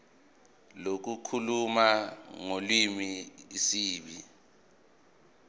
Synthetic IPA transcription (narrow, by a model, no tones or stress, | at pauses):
lok̬ukʰulumaŋolimiisiːɓi